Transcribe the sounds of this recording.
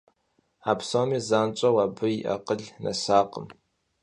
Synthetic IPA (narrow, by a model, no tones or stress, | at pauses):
aːpʰsoːmiːzaːnt͡ʃʷʼɐwabɨiʔa̰qəɮnʔɐ̰saːqʼəm